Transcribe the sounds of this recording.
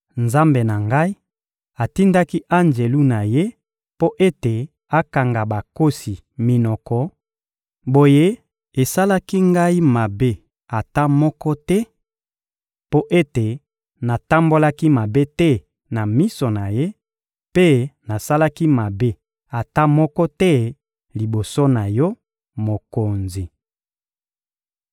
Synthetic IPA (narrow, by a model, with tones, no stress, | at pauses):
nza˦mbe˨na˨ŋɡa˦i˦ | a˨ti˦nda˦ki˦ʔa˦nd͡ʒe˨lu˦na˨je˦ | po˦ʔe˦te˨ | a˦ka˨ŋɡa˨ba˨ko˦si˨ | mi˨nɔ˨kɔ˨ | bo˨je˦ | e˨sa˦la˦ki˦ŋɡa˦i˦ma˨be˦ | a˨ta˦mɔ˦kɔ˦tɛ˦ | po˦ʔe˦te˨ | na˨ta˦mbo˦la˦ki˦ma˨be˦tɛ˦ | na˨mi˦so˨na˨je˦ | pe˦na˨sa˦la˦ki˦ma˨be˦ | a˨ta˦mɔ˦kɔ˦tɛ˦ | li˨bo˨so˦na˨jɔ˦ | mo˨ko˨nzi˨